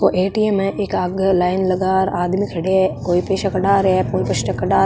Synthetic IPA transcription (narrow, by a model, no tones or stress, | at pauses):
koʔeːʈiemɛ̃ʔeːkaɡlaːɪnlɐɡaːɾaːd̪mikʰɐɽekoːipeːʃakɐɖaːɾɛkoːipɐʃʈɐkɐɖaː